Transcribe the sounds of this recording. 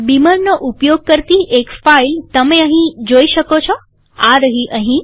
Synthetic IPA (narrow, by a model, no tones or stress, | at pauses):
biməɾnoʔupjoɡ̚kəɾt̪iʔekfailt̪əmeəɦĩd͡ʒoiʃəkot͡ʃʰɔ | aɾəɦiʔəɦĩ